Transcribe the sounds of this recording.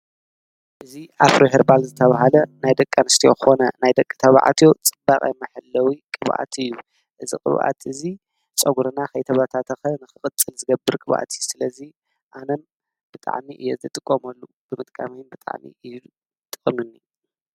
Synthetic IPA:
ʔɨziʔafɾoɦeɾbalzɨt̪ʰɐβaɦalɐnajd̪ɐkʼːanɨst̪ʰijoxɨxo̞nɐnajd̪ɐkʼːɨ̥t̪ʰɐβa̰ʕa̰t̪ʰjo̞t͡sʼɨbaχʼa̰jmɐħɨlːɐwikʼɨβʔa̰t̪ʰɨjːu | ʔɨzikʼɨ̰βʔa̰t̪ʰɨzi | t͡sʼɐɡuɾɨnaxɐjt̪ʰɐβat̪ʰat̪ʰɐxɐnɨxɨkʼɨt͡sʼːɨlzɨɡɐbɨɾkʼɨβʔa̰t̪ʰijsɨlɐzi | ʔanɐn | b̥ɨt̪ʼa̰ʕmiʔɨ̰jːeɨt̪ʰɨt̪ʼɨkʼːomɐlːu | b̥ɨmɨt̪ʼkʼa̰minbɨt̪ʼa̰ʕmḭ | t̪ʼɨχʼɨmɨnːi

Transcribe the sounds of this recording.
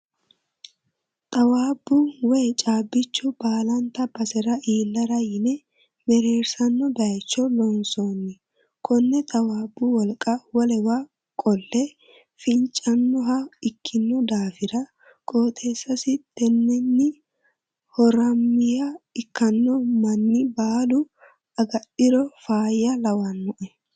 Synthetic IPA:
t̪ʼɐwaːbːʊwɛjt͡ʃʼaːbːɪt͡ʃːʊbaːlɐnt̪ɐbɐsɛɾɐʔiːlːɐɾɐjɪnɛ | mɛɾeːɾsɐnːɔbɛɐjt͡ʃːɔlɔnsoːnːɪ | kʰɔnːɛt̪ʼɐwaːbːʊwɔlkʼɐwɔlɛwa | kʼɔlːɛ | fɪnt͡ʃʼːɐnːɔɦɐɪkʰːɪnːɔd̪aːfɪɾɐ | kʼoːt̪ʰeːsːɐsɪt̪ːɛnːɛnːɪ | hɔɾɐmːɪjɐɪkːɐnːɔmɐnːɪbaːlʊ | ɐɡɐɗɪɾɔfaːjɐlɐwɐnːɔʔɛ

